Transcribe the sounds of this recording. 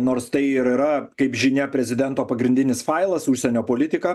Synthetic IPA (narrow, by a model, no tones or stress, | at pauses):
noːɾst̪ɐɪiɪɾɪɾɐkɐɪpʒʲɪnʲɛpʲɾʲɛzʲɪd̪ʲɛnt̪oːpɐɡɾʲɪnʲd̪ʲɪnʲɪsfɐɪlˠɐsuʃʲsʲɛnʲoːpoːlʲɪt̪ʲɪkɐ